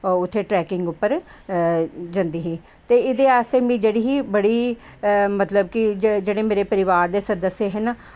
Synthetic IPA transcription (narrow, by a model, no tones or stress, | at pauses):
ʊt̪ʰːeːʈɾɛːkɪŋɡʊpːəɾ | d͡ʒə̃nd̪iːɦiː | t̪eːɪd̪eːaːst̪eːmĩːd͡ʒeːɽiːɦiːbəɽiː | mət̪ləb̚kɪd͡ʒd͡ʒeːɽeːmeːɾeːpəɾɪʋaːɾd̪eːsənd̪əseːɦɛna